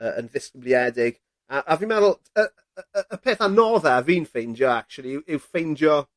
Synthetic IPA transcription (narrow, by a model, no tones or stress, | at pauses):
əə̰̃nðɪskəbliɛdɪɡ̥ | aʔavimɛɾl̩ˠ | ə | əəpʰeːθanɔðɛviːnfejnd͡ʒɔak̚t͡ʃulˠiɪwʔɪwfejnd͡ʒɔ